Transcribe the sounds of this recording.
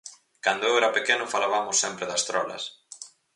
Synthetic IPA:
kand̪ʊewɛɾɐpekenʊfalaβamʊsːɛmpɾeðɐst̪ɾɔ̰lɐ̰s

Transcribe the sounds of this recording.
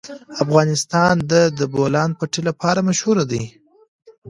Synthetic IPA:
afɣɑnɪst̪ɑnd̪əd̪əbolɑnpaʈilapʰɑɾamaʃhuɾad̪əj

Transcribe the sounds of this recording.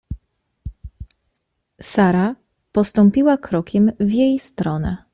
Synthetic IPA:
saɾa | pɔst̪ɔmpʲiwakɾɔkʲʰɛmvʲjejst̪ɾɔnɛ̰

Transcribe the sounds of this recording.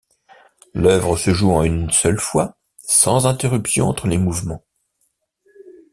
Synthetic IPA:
lœvʁəsəʒuɑ̃ynsœlfwa | sɑ̃zɛ̃t̪eʁypsjɔ̃ɑ̃t̪χəlemuvmɑ̃

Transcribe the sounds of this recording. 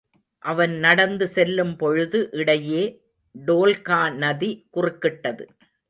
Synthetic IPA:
ʔɐʋɐnnɐɽɐnd̪ɯsɛlːɯmpɔɻɯðɯʔɪɽɐjeː | ɖoːlkaːnɐðikʊrɪkːɪʈːɐðɯ̰

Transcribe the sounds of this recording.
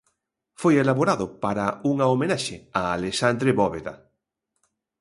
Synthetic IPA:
fojelaβoɾaðʊpaɾauŋaomẽnaʃeaːlesand̪ɾeβɔβeða̰

